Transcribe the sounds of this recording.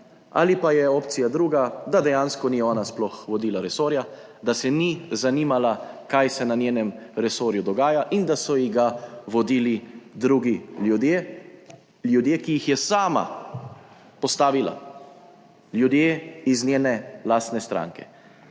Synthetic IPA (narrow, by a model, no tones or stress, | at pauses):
a̰lipajɛoːpt̪sijad̪ɾuːɡad̪ad̪ɛjanskɔniɔːnasplɔxʋɔd̪iːlaɾɛsoːɾja | d̪asɛnizaniːmalakajsɛnanjeːnɛmɾɛsoːɾjud̪ɔɡaːjaʔind̪asɔjiɣɡaʋɔd̪iːlid̪ɾuːɡiud̪e | ljud̪jeːkijixjɛsaːma̰ | pɔst̪aːʋila̰ | ljud̪jeːiznʲjeːnɛlaːst̪nɛst̪ɾa̰ːŋkɛ̰